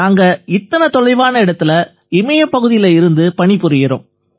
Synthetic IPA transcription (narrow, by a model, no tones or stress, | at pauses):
aːŋɡɐɪt̪ːɐnɐt̪ɔlɐɪʋaːnɐɪɽɐt̪ːɪlɐ | ɪmɐjɐpːɐɣɯðɪjɪlɐɪɾɯnd̪ɯpɐɳɪpːɯɾɪjɪɾo̰ːm